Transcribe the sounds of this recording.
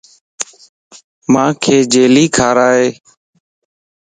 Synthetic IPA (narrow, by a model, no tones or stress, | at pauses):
mãːkʰeːd͡ʒeːliːkʰaːɾaːɦeː